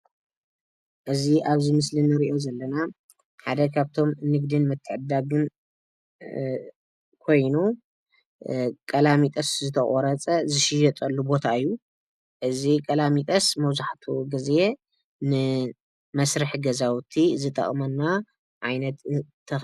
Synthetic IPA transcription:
ʔɨziʔaβzimɨslinɨɾiʔo̞zɐlːɐna | ħad̪ɐkʰaβt̪ʰo̞mnɨɡd̪ɨnmɨt̪ʰːɨʕɨd̪aɡɨn | kʰo̞jnu | kʼɐlamit̪ʼɐszɨt̪ʰɐχʼoɾɐt͡sʼɐzɨʃɪjɛt̪ʼɐlːubo̞t̪ʰaɨjːu | ʔɨzikʼɐlamit̪ʼɐsmɐwzaħt̪ʰuɡɨze | nɨ | mɐsɾɨħɡɐzawt̪ʰizɨt̪ʼɐ̰χʼmɐnːa | ʕajnɐt̪ʰː | ɐ

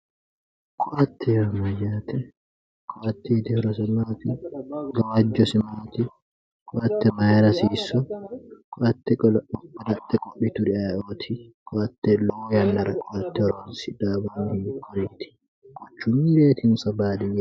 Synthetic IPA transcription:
kʼɔʔɐt̪ʰːɛhɐmːɐjaːt̪ɛ | kʼɔʔɐt̪ːɛt̪ɪhɔɾɔs̬ɐmaːt̪ɪɡɐwɐd͡ʒːɔsɪmaːt̪ɪ | kʼɔʔɐt̪ːɛmɐjɐɾɐsiːsɔkʼɔʔɐt̪ːɛɐlɐt̪ʰːɛkʼɔɓɪt̪ʊdɪaʔoːt̪ʰɪkʰʼɔʔɐt̪ːɛlɔwɔjɐnːɐɾɐkʼɔʔɐt̪ːɛɔɾoːnsɪd̪aːbaːnhikʰɔɾiːt̪ɪ̥ | ɡ̥ɔt͡ʃːʊmːiɾeːt̪ɪnsɐbaːd̪ɪjɛ

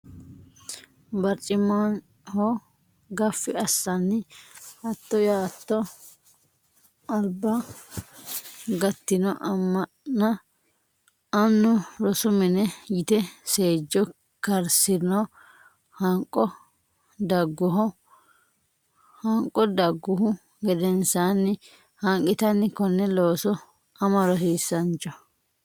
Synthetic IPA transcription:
bɐɾt͡ʃʼɪman | hɔ | ɡɐfːɪɐsːɐnːɪɐt̪ːɔjaːt̪ːɔ | ɐlbɐ | ɡɐt̪ːɪnɔʔɐmːɐʔnɐ | ɐnːʊɾɔsʊmɛnɛjɪt̪ɛse̞ːd͡ʒːɔ | kɐɾsɪnɔ | hɐŋkʼːɔ | d̪ɐɡːʊɦɔ | hɐŋkʼːɔd̪ɐɡːʊɦʊ | ɡɛd̪ɛnsaːnːɪ | hɐŋkʼɪt̪ɐnːɪkɔnːɛlo̞ːsɔ | ɐmɐɾɔhiːsːɐnt͡ʃʼːɔ

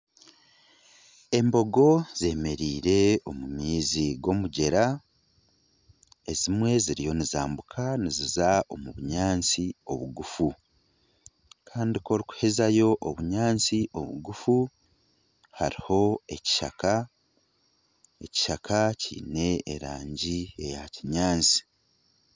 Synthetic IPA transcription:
e̞mbo̞ɡo̞z̥e̞ːme̞ɾiːɾe̞o̞mumiːziɡo̞muɟe̞ɾa | ezimwe̞ziɾijo̞niza̰ːmbukʰanizizao̞muβuɲaːnt͡sio̞̰βuɡufu | kʰaːndiko̞ɾiku̥he̞zajo̞ʔoβuɲaːnt͡siʔo̞̰βṵɡufu | haɾiho̞e̞ci̥ʃa̰ka | e̞ci̥ʃakʰacḭːne̞ːɾaːɲɟie̞jaciɲaːnt͡si̥

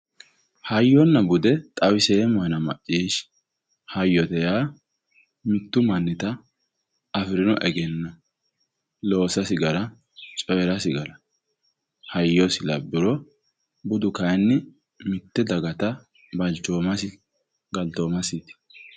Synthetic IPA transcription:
hɐjːɔnːɐbʊd̪ɛt̪ʼɐwɪseːmɔjnɐmɐ̰ʔːiːʃ | hɐjːɔt̪ɛjaː | mɪt̪ːʊmɐnːɪt̪ɐ | ɐfɪɾɪnɔʔɛɡɛnːɐ | lo̞ːsɐsɪɡɐɾɐ | t͡ʃʼɔjɛɾɐsɪɡɐɾɐ | hɐjːɔsɪlɐbːɪɾɔ | bʊd̪ʊkɐjnːɪ | mɪt̪ːɛd̪ɐɡɐt̪ɐ | bɐd͡ʒoːmɐsɪ | ɡɐld̪oːmɐsɪt̪

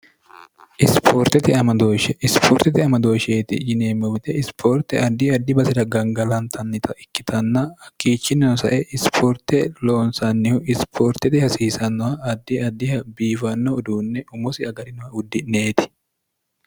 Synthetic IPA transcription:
ʔɪspʰoːɾt̪ɛt̪ɪɐmɐd̪oʃɛɪspʰoːɾt̪ɛt̪ɪɐmɐd̪oːʃeːt̪ɪd͡ʒɪneːmːɔwɪt̪ɛɪspʰoːɾt̪ɛ̰ɐd̪ːɪɐd̪ːɪbɐsɪd̪ɐɡɐŋɡɐlɐnt̪ʰɐnːɪt̪ʰɐʔɪkːɪt̪ʰɐnːɐɐkːiːt͡ʃːɪnːɐnɔsɐʔɛʔɪspʰoːɾt̪ɛlo̞ːnsɐnːɪhʊɪspʰoːɾt̪ɛt̪ɪhɐsiːsɐnːɔhɐɐd̪ːɪɐd̪ːɪhɐbiːfɐnːɔːd̪uːnːɛʔʊmʊsɪɐɡɐɾɪnɔhɐʊd̪ːɪneːt̪ɪ̥

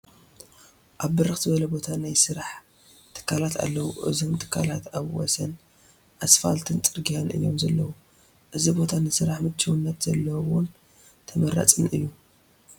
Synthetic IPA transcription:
ʔaβːɨɾɨxz̥ɨbɐlɐbo̞t̪ʰanajsɨɾaħ | t̪ʰɨ̥kʰːalat̪ʰa̰lːɐwuʔɨ̰zomt̪ʰʼɨ̥kʰːalat̪aβwɔ̰sɐn | ʔasfa̰lt̪ʰɨnt̪ʼɨɾɡijanʔɨ̰jːo̞mzɐlːɐwu | ʔɨzibo̞t̪ʰanɨsɨɾaħmɨt͡ʃʰːɨwɨnːɐt̪zɐlːɐwun | t̪ʰɐmɐɾa̰t͡sʼinɨ̰jːu

